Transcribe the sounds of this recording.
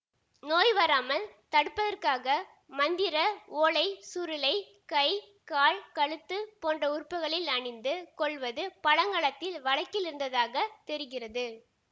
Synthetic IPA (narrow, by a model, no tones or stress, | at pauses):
noːjʋɐɾaːmɐlt̪ɐɽɯpːɐðɐrkaːɣɐ | mɐnd̪ɪɾɐoːɭɐɪsʊɾɪlɐɪ | kɐɪ | kaːɭkɐɭɯt̪ːɯpoːndrɐʊrpːɐɣɐɭɪlɐɳɪnd̪ɯkɔɭʋɐðɯpɐɻɐŋɡɐːɭɐt̪ːɪlʋɐɻɐkːɪlɪɾɯnd̪ɐðaːɣɐt̪ɛɾɯɣɪrɐðɯ